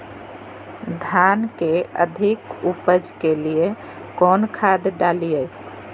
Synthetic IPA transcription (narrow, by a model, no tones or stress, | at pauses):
d̪ʱankeə̰d̪ʱikupəd͡ʒkelije | kɔnkʰad̪ɖalijəj